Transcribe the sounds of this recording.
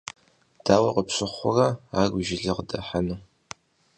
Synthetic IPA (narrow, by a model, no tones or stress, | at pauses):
d̥aːwɐqəpɕʷʼɨχʷʊrɐaːɡʷʊʒɪɮɨqədɐħanɨ